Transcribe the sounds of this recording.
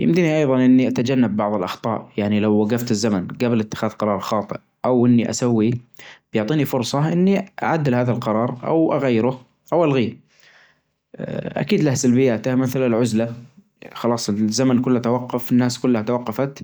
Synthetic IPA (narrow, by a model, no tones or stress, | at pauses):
jɪ̰md̪iniʔɑjðˤɑnʔɪnːiʔat̪ad͡ʒanːabːɑʕðˤɨlʔɑxt̪ˤɑ̰ːʔjaʕnilawːaɡaft̪ɪzːamanɡablɪt̪ːɪ̥xaːðqɑɾˤɑːɾˤxɑːt̪ˤɨʔ | ʔawʔɪnːiʔa̰sawːib̥jʊʕt̪ˤiːnifʊɾˤsˤɑʔɪnːiʔa̰ʕad̪ːɪlhaːðalqɑɾˤɑːɾˤʔa̰wʔaɣajːɾʊ | ʔawalɣiːɾ | ʔa̰kiːd̪lahsalbɪjːaːt̪amɪθalalʕʊzla | xɑlɑːsˤɪzːamankʊlːhat̪awɑqːʊfɪnːaːskʊlːhat̪awɑqːɑfat̪